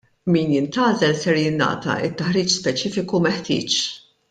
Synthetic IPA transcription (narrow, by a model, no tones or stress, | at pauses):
miːnjɪnt̪ɐːzɛlsɛɾjɪnːɐ̰ːt̪ɐ̰ɪt̪ːɐħɾiːt͡ʃspɛt͡ʃiːfɪkumɛħt̪ɪ̰ːt͡ʃ